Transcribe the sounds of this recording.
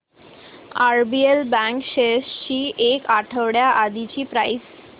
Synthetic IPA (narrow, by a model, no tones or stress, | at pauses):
aɾbielbɛ̃ŋkɕest͡ɕiːʔekaʈʰəʋɽjaʔad̪it͡ɕiːpɾajs